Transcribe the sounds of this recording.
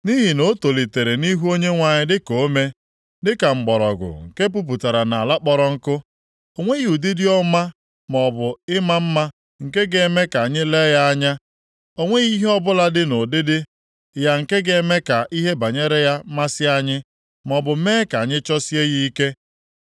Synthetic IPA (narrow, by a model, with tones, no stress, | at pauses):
ni˦ɦi˨no˦to˨li˨te˨ɾe˨ni˦ɦu˦o˦ɲe˦ŋʷa˨ɲɪ˦dɪ˦ko˨˦me˦ | dɪ˦ka˨ŋ͡m̩˨ɡ͡bɔ˨ɾɔ˨ɡʊ̰˨ŋ̩˨ke˦p̬u˦p̬u˨ta˨ɾa˨na˨a˨la˦k͡pɔ˦ɾɔ˦ŋ̩˦kʊ˦ | o˦˨ŋʷe˦ɣu˨di˦dɪ˦ɔ˦ma˦ | mɔ˨bʊ˨ɪ˦ma˦m̩˦ma˦ | ŋ̩˨ke˦ɡe˨˦me˦ka˨ɲɪ˦le˦ja˦a˦ɲa˦ | o˦ŋʷe˦ɣi˦ɦe˦ɔ˦bʊ˦la˦dɪ˦no˨dɪ˦dɪ˦ | ja˨ŋ̩˨ke˦ɡe˨˦me˦ka˨ʔi˦ɦe˦ba˨ɲe˦ɾe˦ja˦ma˦sɪ˦a˦ɲɪ˦ | mɔ˨bʊ˨˦meː˦ka˨ɲɪ˦t͡ʃɔ˦si˦e˦ɣi˦i˦ke˦